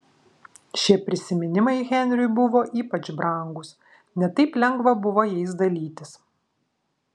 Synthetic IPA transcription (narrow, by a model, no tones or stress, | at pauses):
ʃʲiɛpʲɾʲɪsʲɪmʲɪnʲɪmɐɪɣʲɛnʲɾʲʊjbʊʋoːʔiːpɐt͡ʃbɾɐˑŋɡʊs | nʲɛt̪ɐɪplʲɛŋɡʋɐbʊʋoːjɛɪs̬d̪ɐlʲiːt̪ʲɪs